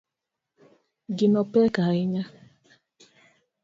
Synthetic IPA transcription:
ɡinɔpɛkaɪɲa

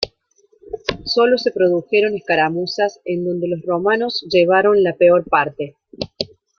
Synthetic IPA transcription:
so̞lo̞se̞pɾo̞ðuxeɾo̞neskaɾamusasend̪o̞nd̪elo̞sro̞mano̞zʒeβ̞aɾo̞nlapeo̞ɾpaɾt̪e̞

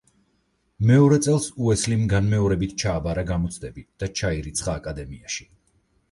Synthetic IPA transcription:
mɛɔɾɛt̪sʼɛlˠsuɛslimɡanmɛɔɾɛbit̪̚ʰt͡ʃʰaːbaɾaɡamɔt̪sʰd̪ɛbid̪̥at͡ʃʰaiɾit̪sʰχaːkʼad̪ɛmiaʃi̥

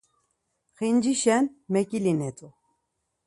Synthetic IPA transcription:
χind͡ʒiʃɛnmɛkʼilinɛt͡sʼu

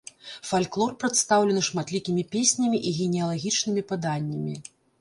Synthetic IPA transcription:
falʲklˠɔrpɾɐt̪st̪awlʲɛnɨʂmat̪lʲikʲimʲipʲesʲnʲɐmʲiʔiɣʲɛnʲɛjɐlˠaɣʲit͡ʂnɨmʲipɨd̪anʲːɐmʲi

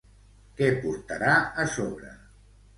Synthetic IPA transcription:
kɛpuɾt̪əɾaəsoβɾə

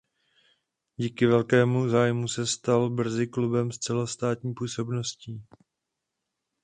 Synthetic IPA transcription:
ɟiːkɪvɛlkɛːmuzaːjmusɛst̪albr̩zɪklubɛmst͡sɛlost̪aːt̪ɲiːpuːso̞bno̞sciː

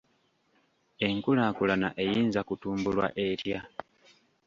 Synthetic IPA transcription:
e̞ŋkulaːkulana̰ʔe̞jiːnzakutuːmbulwa̰ʔe̞tja

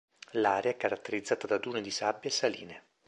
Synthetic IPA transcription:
laːɾeaɛkːaɾat̪ːeɾid̪zːaːt̪ad̪ad̪uːned̪isabːjaesːalḭːne

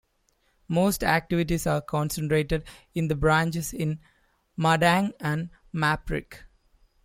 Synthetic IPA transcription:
moːsʈæk̚ʈɪʋɪʈ̬isaːɾkʰɔ̃ːnsə̃ɳʈɾeːʈeɖ | ɪ̃nd̪əbɾãːnt͡ʃesɪ̃n | maɖæ̃ŋæ̃ɳɖ | mæpɾɪ̰k

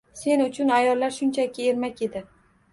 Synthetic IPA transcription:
se̞nʊt͡ʃʰʊnajɒlːaɾʃʊnt͡ʃʰakʲʰɪeɾmakʲe̞d̪ɪ

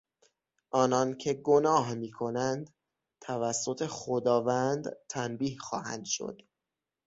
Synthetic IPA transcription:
ʔɒːnɒncʰe̞ɡonɒːɦmiːkʰo̞nænd̪ | t̪ʰævæsːo̞t̪ʰe̞xod̪ɒːvænd̪t̪ʰæmbiːhxɒ̰ːhæ̰nd̪̥ʃo̰d̪̥

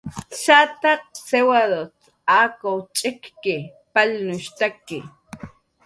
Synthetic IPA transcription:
ʃat̪aq̚sewaðot͡s | aːkowt͡ʃʼɪkːɪ | palnʊʃt̪akɪ

